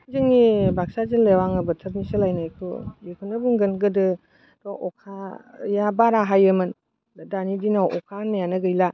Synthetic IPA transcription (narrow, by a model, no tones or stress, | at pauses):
zɯŋnibak̚sazɯnlewaŋɯbɯtʰɐp̚nisɯlajnajkʰṵjekʰɯnɯbuŋɡɯnɡɯdɯ | dɔʔɔkʰajabaɾaɦajɯmɯn | danidinawɔkʰanːajanɯɡɯjla